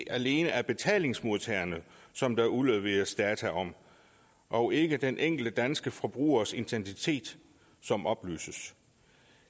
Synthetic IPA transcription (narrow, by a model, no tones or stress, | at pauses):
æle̝ːnəæɐb̥e̝t͡sʰɛ̰ːle̝ŋsmo̝ðˠt͡sʰeːɐnəsɒ̽md̥ɑ̈uleðˠʋe̝̰ːɐsd̥ɛːt͡sʰæʔɒ̽m̰ | ʔɒ̽e̝ɡ̥əd̥enʔeŋ̰ɡ̥l̩d̥əd̥ænsɡ̥əfʁɒ̽b̥ʁṵːɐse̝nt͡sʰensit͡sʰe̝̰ːd̥ | sɒ̽mʔɒ̽b̥ly̰ːsəs